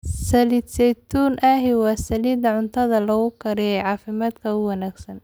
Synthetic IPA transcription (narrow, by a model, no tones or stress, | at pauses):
sɐliːd̪sɛjt̪ʰuːnʔaɦɪwɑːsɐliːd̪ɐʕʊnt̪ʰɐðɐlɐɣʊkʰɐɾɛjɛʕɑːfɪmaːd̪kʰɐʊwɑnaːɡsɐn